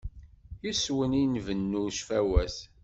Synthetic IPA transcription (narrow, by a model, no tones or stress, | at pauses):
jiswəninvənːuʃfæwæs